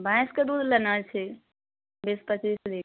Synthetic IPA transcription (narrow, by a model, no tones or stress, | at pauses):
bãsked̪ud̪ʱlənət͡ʃʰi | bispət͡ʃisd̪i